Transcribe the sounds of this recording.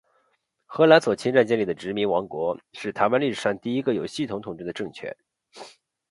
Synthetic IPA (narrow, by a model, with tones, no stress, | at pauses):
xɤ˧˥la˧˥nswɔ˨˩t͡ɕʰɛ˥nʈ͡ʂa˥˧nt͡ɕjɛ˥˧nli˥˩d̪ə˩ʈ͡ʂɻ̩˧˥mi˧˥ŋwɑ˧˥ŋkwɔ˧˥ʂɻ̩˥˩t̪ʰa˧˥ɪwa˥˧nly˥˩ʂa˥˩nt̪i˥˩i˧˥ɡə˧˨jo˨˩ʊɕi˥˩t̪ʰʊ˧˥ŋt̪ʰʊ˨˩ŋʈ͡ʂ̩˥˩d̪ə˩ʈ͡ʂɤ˥˩ŋt͡ɕʰɥɛ̰˥˩n